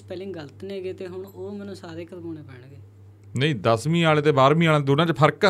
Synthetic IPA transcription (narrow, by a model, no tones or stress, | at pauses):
pɛːlẽːɡələt̪nẽːɡeːt̪eːɦʊɳoːmɛ̃ːnũːsaːɾeːkəɾkoːneːpɛːɳɡeː | nəĩːd̪əsmĩːaːlet̪eːbaːɾmĩːaːlãːd̪ʊnãːt͡ʃpʰəɾkː